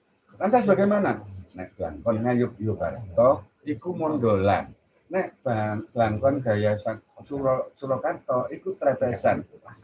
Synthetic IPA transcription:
lant̪asb̥aɡajmananɛʔb̥laŋkɔnŋajʊp̚job̥aɾt̪ɔ | ikumɔndo̤la̰n | nɛʔb̥ab̥laŋkɔnɡ̥a̤jasasuɾɔsuɾɔkat̪ɔikut̪ɾapɛsan

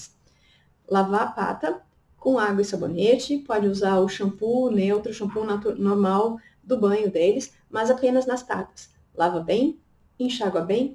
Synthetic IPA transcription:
lavapa̰t̪ɐ | kõaɡwɐɪsabo̰net͡ʃɪpɔd͡ʒɪuzaɾʊʃɐ̃punẽowt̪ɾʊʃɐ̃mpunanoɾmaw | d̪ʊbɐ̃ɲʊd̪elɪs | mɐzapẽnɐznɐst̪a̰kɐs | lavɐbẽj̃ | ẽʃaɡwɐbẽj̃

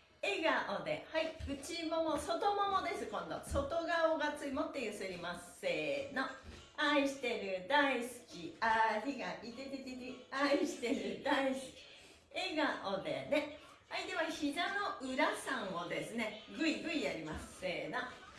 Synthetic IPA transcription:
e̞ɡaʔod̪e̞̰haiɯ̟t͡ɕimo̞mo̞so̞t̪o̞mo̞mo̞d̪e̞sɨkõ̞nd̪o̞̰so̞t̪o̞ɡaoɡat͡sɨimot̪ːejɯ̟sɨɾʲimas | e̞ːno̞ | aiɕi̥t̪e̞ɾɯ̟d̪aisɨ̥kʲiaɾʲiɡait̪et̪et̪eɾʲiaiɕi̥t̪e̞ɾɯ̟d̪aisɨ̥kʲi̥ | e̞ɡaʔo̞d̪e̞̰ne̞ | aid̪e̞βaçid̪ano̞ʔɯ̟ɾasãɰ̃o̞d̪e̞sɨne̞ɡɯ̟iɡɯ̟ijaɾʲimasɨ̥se̞ːna

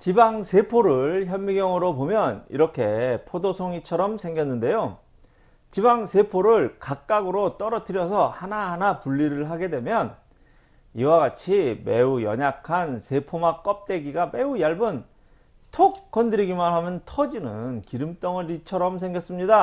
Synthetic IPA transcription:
t͡ɕibaŋsʰe̞pʰoɾɯɭçjʌnmːiɡjʌŋɯɾopomjʌnḭɾʌkʰe̞pʰodosʰoŋit͡ɕʰʌɾʌmsʰe̞ŋɡjʌnːɯnde̞jo | t͡ɕibaŋsʰe̞pʰoɾɯɭkak̚k͈aɡɯɾot͈ʌɾʌtʰɯɾjʌsʰʌhanaɦanapuʎːiɾɯɭɦaɡe̞dwe̞mjʌn | iwaɡat͡ɕʰime̞ujʌ̰ɲakʰansʰe̞pʰomak͈ʌp̚t͈e̞ɡiɡame̞ujaɭbɯn | tʰok̚k͈ʌndɯɾiɡimanɦamjʌntʰʌd͡ʑinɯnkiɾɯmt͈ʌŋɯɾit͡ɕʰʌɾʌmsʰeŋɡjʌs͈ɯmɲida

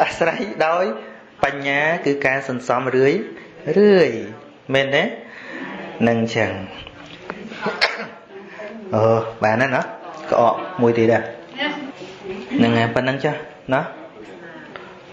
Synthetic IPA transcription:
ʔəsrəjɗaɔj | paɲːaːkɨːkaːsɑnsɑmrɨəj | rɨəj | mɛːnːɛ | nɨŋt͡ɕʰəŋ | ʔəːɓaːnanɑhkɑ̰ʔɑːʔmuəjt̪iət̪̚ʔaʔ | nɨŋapɨt̪̚nɨŋt͡ɕɔh | nɔh

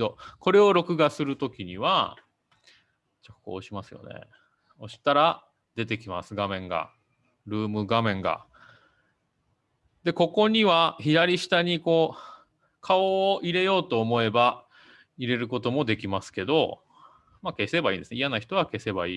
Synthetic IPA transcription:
oko̞ɾe̞o̞ɾo̞kɯ̟ɡasɨɾɯ̟t̪o̞kʲiɲ̟iβa | t͡ɕoko̞̰ːɕimasɨjo̞̰ne̞̰ | o̞ɕi̥t̪aɾa | d̪̥e̞t̪e̞kʲimasɨɡamẽ̞ŋɡa̰ | ɾɯ̟ːmɯ̟ɡamẽ̞ŋɡa̰ | d̪e̞ko̞ko̞ɲ̟iβaçidɾaɾʲiɕi̥t̪aɲ̟iko̞ː | kʰaoːʔiɾe̞jo̞ːt̪o̞ːmo̞e̞ba | iɾe̞ɾɯ̟ko̞t̪o̞mo̞d̪e̞kʲimasɨ̥ke̞d̪o̞ | make̞se̞baĩːnd̪esɨnijanaçi̥t̪o̞β̞ake̞se̞baiː

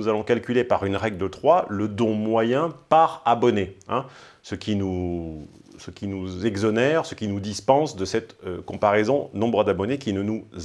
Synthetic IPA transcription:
uzalɔ̃kalkʲylepaʁynʁɛɡlət̪χwaləd̪ɔ̃mwajɛ̃paʁabɔneɛ̃ | səkʲinu | səkʲinuzɛɡzɔnɛʁsəkʲinud̪ispɑ̃sd̪əsɛt̪kɔ̃paʁezɔ̃nɔ̃bʁəd̪abɔnekʲinənuz

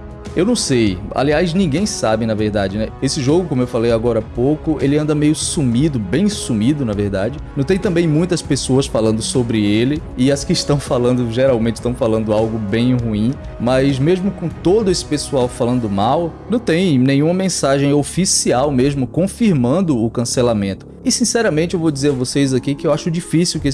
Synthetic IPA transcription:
ewnɐ̃w̃seja̰liajznĩɡẽj̃sabɪnɐveɾd̪ad͡ʒɪnɛesɪʒoɡʊkõmʊewfalejaɡɔɾɐapokʊelɪɐ̃nd̪ɐmejʊsumid̪ʊbẽj̃sumid̪ʊnɐveɾd̪ad͡ʒɪnɐ̃w̃t̪ẽj̃t̪ɐ̃mbẽj̃mũj̃t̪ɐspesoɐsfalɐ̃nd̪ʊsobɾɪelɪɪɐskɪɪʃt̪ɐ̃w̃falɐ̃nd̪ʊʒeɾawmẽt͡ʃɪʃt̪w̃falɐ̃nd̪ʊawɡʊbẽj̃ɦuĩ | mɐzmeʒmʊkõt̪od̪ʊesɪ̥pesuawfalɐ̃d̪ʊmawnɐ̃w̃t̪ẽj̃nẽj̃ũmɐmẽsaʒẽj̃ofisiawmeʒmʊkõfiɾmɐ̃nd̪ʊʊkɐ̃selamẽnt̪ʊ | ɪsĩsɛɾɐmẽt͡ʃɪewvowd͡ʒizeɾɐvosejzakikɪewaʃʊd͡ʒifisiwkɪe

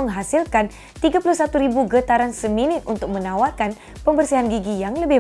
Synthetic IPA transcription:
əŋɦasilkan | t̪iɡapuluhsat̪uɾibuɡət̪aɾansəminɪt̪̚ʔunt̪ʊk̚mənawarkan | pəmbərsiɦanɡiɡijaŋləbɪh

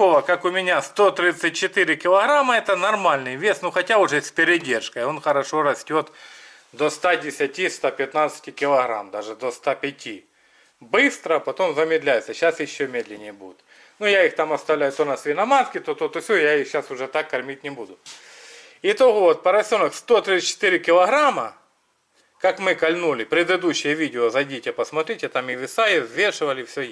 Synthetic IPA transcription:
oʋɐkakʊmʲɪnʲast̪ot̪ɾʲit̪sɨt̚ʲt͡ɕːɪt̪ɪɾʲɪkʲɪlˠɐɣɾamɐɛt̪ənɐrmalʲnɨjvʲe̞snuxɐtʲaʊʐɛsʲpʲɪɾʲɪdʲe̞rʂkɐjo̞nxɐɾɐʂo̞ɾɐsʲtʲo̞t̪ | d̪ost̪adʲɪsʲɐtʲist̪apʲɪt̪nat̪sɨ̥tʲɪkʲɪlˠɐɣɾa̰md̪aʐɨd̪ost̪apʲɪtʲi | bɨst̪ɾəpɐt̪o̞mzɐmʲɪd̪lʲæjɪt̪səɕːasjɪɕːomʲed̪lʲɪnʲɪjəbud̪ʲʊt̪ | nujaixt̪amɐst̪ɐvlʲæjʊt̪onasvʲɪnɐmaskʲɪt̪ot̪ot̪ʊfsʲojaixɕasʊʐɛt̪akːɐrmʲit̚ʲnʲɪbud̪ʊ | ɪt̪oɣot̪̚pɐɾɐsʲonɐkst̪ot̪ɾʲit̪sə̥t͡ɕːɪ̥t̪ɪɾʲɪkʲɪlˠɐɣɾamɐ | kakmɨkɐlʲnulʲɪpɾʲɪd̪ɨd̪uɕːɪjəʋʲidʲɪozɐdʲitʲɪpɐsmɐt̪ɾʲitʲɪt̪amɪʋʲɪsajɪzʲʋʲeʂɨvɐlʲɪfsʲo

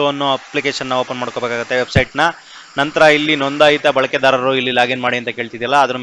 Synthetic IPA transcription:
ɐɐnːuɐplikeːʂɐnːɐʋoːpɐnmaːɽko̞beːkaːɡut̪ːe̞ʋebsɐjʈnɐ | nɐnt̪ɐɾɐilːinond̪ajit̪ɐbɐɭɐked̪aːɾɐɾuilːilaːɡenmaːɽiɐnt̪ɐke̞ːɭt̪id̪ijɐlːɐːd̪ɐɾu

